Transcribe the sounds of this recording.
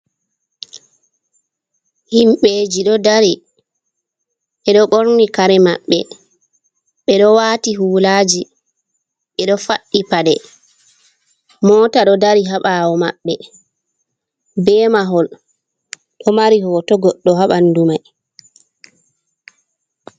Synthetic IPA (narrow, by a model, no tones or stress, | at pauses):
himɓeːd͡ʒiɗɔdaɾi | ʔɛɗɔɡoɾnikaɾɛmaɓːɛ | ɓɛɗɔwaːtiɦuːlaːd͡ʒi | ɓɛɗɔfaɗːipaɗɛ | mɔːtaɗɔdaɾiɦaɓawɔma̰ɓːɛ | bɛːmaɦɔl | ɗɔmaɾiɦɔtɔɡɔɗːɔɦaɓandumaj